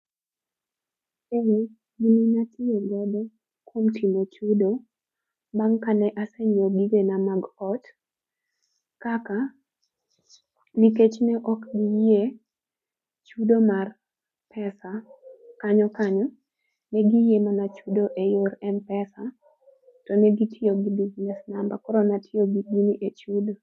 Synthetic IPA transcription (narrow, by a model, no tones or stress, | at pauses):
e | ɡininatʰieɡɔdɔ | kwomtimot͡ʃudo | baŋkanɛʔasɛɲoɡiɡenamaɡɔt | kaka | niket͡ʃnɛʔɔkɡije | t͡ʃudomar | pʰɛsakaɲɔkaɲɔ | nɛɡijemanat͡ʃudoʔejoɾɛnpɛsa | tɔnɛɡitʰɪoɡidid͡ʒnɛsnamba̰kɔɾɔnatʰɪoɡiɡiniʔet͡ʃudo